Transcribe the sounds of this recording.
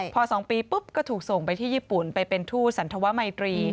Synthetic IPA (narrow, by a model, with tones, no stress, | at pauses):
pʰɔː˧sɔː˩˦ŋpiː˧pɯ˦˥p̚kɔː˥˩t̪ʰuː˨˩k̚so˨˩ŋpa˧jt̪ʰiː˥˩jiː˥˩pu˨˩npa˧jpe˧nt̪ʰuː˥˩t̪̚sa˩˦nt̪ʰa˧wa˦˥ʔma˧jt̪ɾiː˧